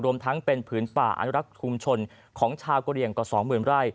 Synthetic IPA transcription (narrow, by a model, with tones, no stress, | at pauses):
ɾu˧əmt̪ʰa˦˥ŋpe˧npʰɯː˩˦npaː˨˩ʔa̰˧nu˥ɾa˦˥k̚t͡ɕʰu˧mt͡ɕʰo˧n | kʰɔː˩˦ŋt͡ɕʰaː˧wko˧ɾi˧˩əŋkɔː˨˩sɔː˩˦ŋmɯː˨˩nɾaː˥˩j